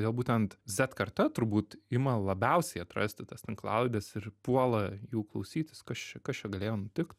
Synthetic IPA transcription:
d̪ʲeːlˠbuːt̪ʲɛnt̪zʲɛt̪kɐrt̪ɐt̪ʊɾbuːt̪ɪmɐlˠɐbʲɛʊsʲɛɪɐt̪ɾɐ̰sʲt̪ʲɪt̪ɐst̪ʲɛnklˠɐlʲbʲɛsɪɾpuɔlˠɐjuːklˠɐʊsʲiːt̪ʲɪskɐst͡ʃʲɛkɐst͡ʃʲɛɡɐlʲeːjoːnʊt̪ʲɪkt̪

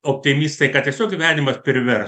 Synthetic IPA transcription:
oːpʲt̪ʲɪmʲist̪ɐɪkɐttʲiɛsʲoːkiʋʲæːnʲɪmɐspʲɪɾʲʋʲɛr

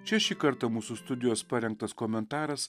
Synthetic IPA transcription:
t͡ʃʲɛʃʲiːkɐɾt̪ɐmuːsust̪ʊd̪ʲɪjoːspɐɾʲɛŋk̚t̪ɐskoːmʲɛnt̪ɑːɾɐss

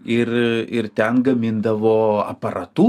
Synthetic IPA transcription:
ɪrɪɾt̪ʲɛnɡɐmʲɪnd̪ɐʋoːɐ̰pɐɾʔɐ̰t̪uː

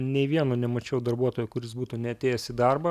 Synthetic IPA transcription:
nʲɛɪʋʲiɛnoːnʲɛmɐt͡ʃʲɛʊd̪ɐrbuɔt̪oːjʊkʊɾʲɪsbuːt̪uːnʲɛɐt̪ʲeːjɛsʲid̪ɐrbɐ

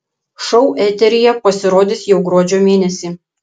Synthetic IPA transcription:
ʃɔʊʔɛt̪ʲɛɾʲɪjɛpɐsʲɪɾoːd̪ʲɪsjɛʊɡɾoːd͡ʒʲoːmʲeːnʲɛsʲiː

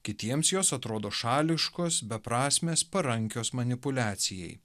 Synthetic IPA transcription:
kʲɪt̪ʲiɛmsjoːsɐt̪ɾoːd̪oːʃɑːlʲɪʃkoːsbʲɛpɾɑːsʲmʲeːspɐɾɐŋʲkʲoːsmɐnʲɪpʊlʲæːt̪sʲɪjɛ̰ɪj

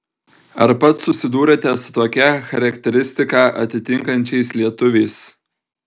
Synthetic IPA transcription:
ɐ̰ɾpɐt̪sʊsʲɪd̪uːɾɐt̪ʲɛsʊ̥t̪oːkʲɛxɐɾʲɐkt̪ʲɛɾʲɪsʲt̪ʲɪkɑːʔɐ̰t̪ʲɪt̪ʲɪŋkɐnʲt͡ʃʲɛɪslʲiɛt̪ʊʋʲɛɪs

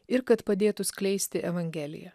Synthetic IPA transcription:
ɪɾkɐt̪pɐd̪ʲeːt̪ʊsʲkʲlʲɛɪsʲt̪ʲɪʔɛʋɐŋʲɡʲɛːlʲɪ̰jɛ

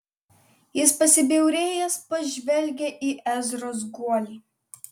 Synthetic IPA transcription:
jɪspɐsʲɪbʲɛʊɾʲeːjɛspɐʒʲʋʲɛlʲɡʲeʔiːʔæzɾoːs̬ɡuɔlʲi

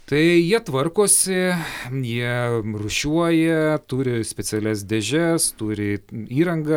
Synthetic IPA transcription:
t̪ɐɪjiɛt̪ʋɐrkoːsʲɪjiɛrʊʃʲuɔjɛt̪uːɾʲɪsʲpʲɛsʲɛlʲɛs̬d̪ʲɛʒʲɛst̪uːɾʲɪiːɾɐŋɡɐ

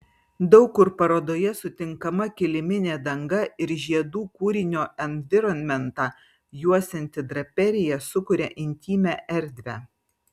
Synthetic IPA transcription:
d̪ɒʊkːʊɾpɐɾoːd̪oːjɛsʊt̪ʲɪŋkɐmɐkʲɪlʲɪmʲɪnʲeːd̪ɐŋɡɐɪɾʒʲiɛd̪uːkuːɾʲɪnʲoːɛnʋʲɪɾɔnʲmʲɛnt̪ɑː | juɔsʲɛnʲt̪ʲɪd̪ɾɐpʲɛɾʲɪjɛsʊkʊɾʲɛʔɪnʲt̪ʲiːmʲæʔɛɾʲd̪ʲʋʲæː

